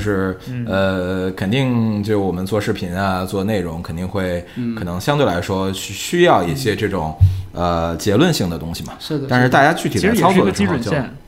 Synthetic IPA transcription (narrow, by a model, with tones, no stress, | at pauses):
ʊʂɻ̩˥˩ə˧kʰə˨˩nt̪i˥˧ŋt͡ɕjo˥˧ʊʂɻ̩˥˩wɔ˨˩ə˦nt͡swɔ˥˧ʂɻ̩˥˩pʰi˧˥nɐ˧t͡swɔ˥˧ne˥˩ɪɻʊ˧˥ŋkʰə˨˩nt̪i˥˧ŋxwe˥˩ɪkʰɤ˨˩nɤ˧˥ŋɕjɑ˥ŋt̪we˥˩ɪla˧˥ɪʂwɔ˥ɕɕy˥jɑ˥˧ʊi˥˩ɕjɛ˥ʈ͡ʂɤ˥˩ʈ͡ʂʊ˨˩˦ŋə˧˩t͡ɕjɛ˧˥lwə˥˧nɕi˥˩ŋd̪ə˩t̪ʊ˥ŋɕi˨˩mɐ˩˥˩a˥˧nʂɻ̩˥˧t̪a˥˩t͡ɕja˥t͡ɕy˥˩i˨˩˥ə˥t͡sʰɑ˥ʊt͡sɔ˥˩˥əʂə˥˧˨j